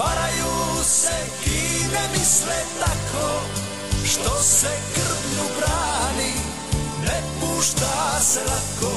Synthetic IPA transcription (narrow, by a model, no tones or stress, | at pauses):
ʋaɾajuːsɛ | inɛmislɛt̪akʰɔ | ʃt̪ɔsɛkr̩vɲubɾaːni | nɛpuːʃt̪aːsɛlat̪kɔ